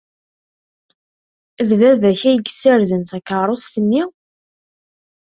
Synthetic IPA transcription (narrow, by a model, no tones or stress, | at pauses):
ðvævæçæjəɡsəɾðənt̪ækəˤost̪ənːi